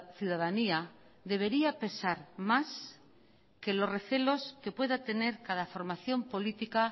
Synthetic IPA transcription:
θjuðaðania | ðe̞β̞e̞ɾiape̞saɾmas | ke̞lo̞sre̞θe̞lo̞ske̞pwe̞ðat̪e̞ne̞ɾkaðafo̞ɾmaθjo̞mpo̞lit̪ika

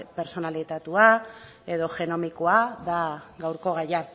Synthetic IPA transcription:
pe̞ɾso̞nalit̪at̪ua | e̞ðo̞ʝe̞no̞mikoaðaɣɡawɾko̞ɣaja

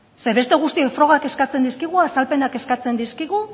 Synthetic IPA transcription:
se̞βe̞st̪e̞ɣ̞ust̪iofɾo̞ɣ̞ake̞skat͡se̞nd̪iskiɣ̞uasalpe̞nake̞skat͡se̞nd̪iskiɣu

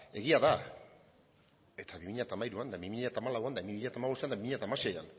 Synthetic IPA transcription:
e̞ɣiaða | e̞t̪ʰaβimiʎat̪aːmaiɾuand̪aβimiʎat̪aːmalawand̪aimimiʎat̪amaβo̞st̪eand̪aβimiʎat̪amase̞ja̰n

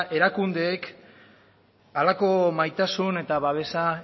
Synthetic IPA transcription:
ʔe̞ɾakund̪e̞ːk | alako̞majt̪asune̞t̪aβaβe̞sa

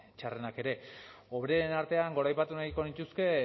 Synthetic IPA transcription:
t͡ʃare̞nake̞ɾe̞o̞βɾenaɾt̪e̞aŋɡo̞ɾajpat̪unaɣiko̞nit̪uske̞

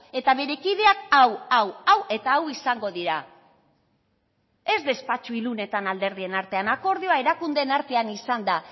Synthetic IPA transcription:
e̞t̪aβe̞ɾe̞kið̞e̞akawawawʔe̞t̪aːwisaŋɡo̞ðiɾa | e̞zd̪e̞spat͡ʃuilune̞t̪anald̪e̞ɾð̞ie̞naɾt̪e̞anako̞ɾð̞ioae̞ɾakund̪e̞naɾt̪e̞anisand̪a

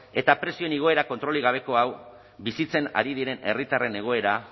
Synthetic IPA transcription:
e̞t̪apɾe̞sioeniɣ̞o̞e̞ɾako̞nt̪ɾo̞liɣ̞aβ̞e̞ko̞aw | bisit͡se̞na̰ɾið̞iɾe̞ne̞̰rit̪are̞ne̞ɣ̞o̞e̞ɾa

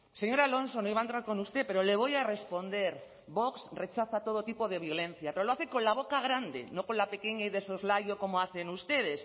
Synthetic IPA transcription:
seɲo̞ɾalõ̞nso̞noiβaent̪ɾaɾko̞nust̪e̞pe̞ɾoleβ̞o̞jare̞spo̞nd̪e̞ɾ | bo̞ksre̞t͡ʃaθat̪o̞ð̞ot̪ipo̞ð̞e̞β̞jo̞lẽ̞n̟θjape̞ɾolo̞aθekõ̞nlaβ̞o̞kaɣ̞ɾand̪e̞̰no̞ko̞nlape̞keɲaiðeso̞zlajoko̞moaθe̞nust̪e̞ð̞e̞s

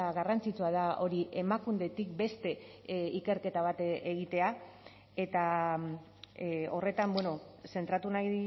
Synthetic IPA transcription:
aɣarant͡sit͡suað̞ao̞ɾiʔe̞makund̪e̞t̪ik̚be̞st̪e̞ike̞ɾke̞t̪aβ̞at̪eɣit̪e̞a | e̞t̪a | o̞re̞t̪ambweno̞se̞nt̪ɾat̪unaj

